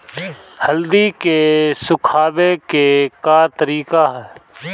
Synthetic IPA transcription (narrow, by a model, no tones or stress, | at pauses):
həld̪ikesʊkʰaːbekekaːɾt̪əɾiːkaɦɛː